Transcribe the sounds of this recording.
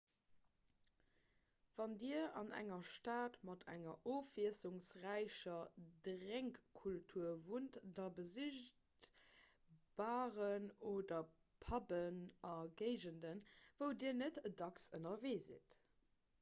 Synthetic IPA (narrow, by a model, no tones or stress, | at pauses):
v̥ɑndiːɐɑnæ̰ŋɐʃtaːtmɑtʰæ̰ŋɐ̰ʔoːfiəsuŋsʁæɪɕɐdʁæŋkkʰultʰuɐvuntdɑbəziʃ | t | b̥aːʁənoːdɐ | pʰɑbənʔɑɡəɪʑəndənvəʊdiːɐnətədɑksənɐveːzḭt